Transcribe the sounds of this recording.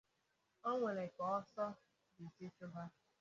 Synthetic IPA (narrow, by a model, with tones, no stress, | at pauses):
ɔ˦ŋʷe˨le˨kɔ˨ɔ˦sɔ˦ | di˨ti˦t͡ʃʊ˦ba˦